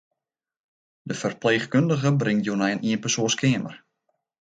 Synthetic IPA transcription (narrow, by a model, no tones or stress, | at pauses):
dəfərpleːχkøndəɣəbrɪŋtjoːnɛjəniənpəsoəskʰɪːəmə̰r